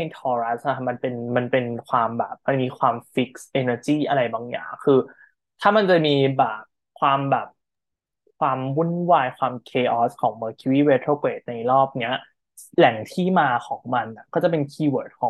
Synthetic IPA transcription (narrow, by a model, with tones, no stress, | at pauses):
jt̪ʰɔː˧ɾa˦˥s̚na˦˥˩ma˧npe˧nma˧npe˧nkʰwaː˧mbɛ̰ː˨˩p̚ma˧nmiː˧kʰwaː˧mfi˦˥k̚sʔeː˧nəː˧t͡ɕiː˥˩ʔa˧ɾa˧jbaː˧ŋja̰ː˨˩ŋkʰɯː˧ | t̪ʰaː˥˩ma˧nt͡ɕa˨˩miː˧bɛː˨˩p̚ | kʰwaː˧mbɛː˨˩p̚ | kʰwaː˧mwu˥˩nwaː˧jkʰwaː˧mkʰeː˧ʔɔː˦˥skʰɔː˩˦ŋmɤː˧kʰi˧wiː˥˩we˧˦t̪ʰɾoː˥˩kweː˨˩t̪̚na˧jɾɔː˥˩p̚ni˦˥ɐ | lɛ˨˩˦ŋt̪ʰiː˥˩maː˧kʰɔː˩˦ŋma˧nʔa˨˩kɔː˥˩t͡ɕa˨˩pe˧nkʰiː˧wɤː˨˩t̪̚kʰɔː˩˦ŋ